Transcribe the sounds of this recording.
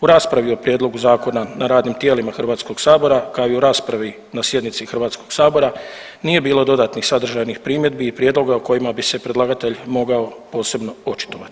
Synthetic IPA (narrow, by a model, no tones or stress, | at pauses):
uɾaːspɾaʋio̞pɾjed̪lˠo̞ɡuzaːko̞nanaɾaːd̪nimt̪je̞ːlimaxrʋaːt̪sko̞ɡsaːbo̞ɾakaoiuɾaːspɾaʋi | nasje̞d̪nit̪sixr̩ʋaːt̪sko̞ɡ̥saːbo̞ɾa | nije̞biːlˠo̞d̪o̞d̪aːt̪nixsad̪r̩ʒajnixpɾiːmje̞d̪̚biːpɾjed̪lo̞ɡaoko̞jimabise̞pɾe̞d̪lˠaɡat̪e̞ʎmo̞ɡao̞po̞ːse̞bno̞o̞t͡ʃi̥t̪o̞ʋat̪i̥